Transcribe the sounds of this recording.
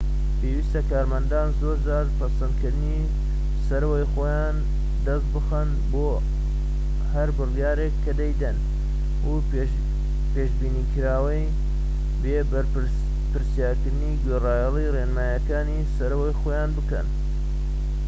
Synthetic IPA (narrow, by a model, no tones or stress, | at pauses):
peːwiːst̪ɐkaːɾmɐnd̪aːnzoːɾd͡ʒaːɾpʰɐsɐnd̪kɨɾd̪ɨni | sɐɾɐwɐjxoːjan | d̪ɐst̪̚bɨxɐn | boː | hɐɾbɨrjaːɾekʰːɐd̪ɐjd̪ɐn | u | peːʃbiːnikɨɾaːwɐj | be | pɨɾsijaːɾkɨɾd̪ɨniːɡerɑːjɛlˠireːnmaːjɐkaːnisɐɾɐwɐjxojaːnbɨkɐ̰n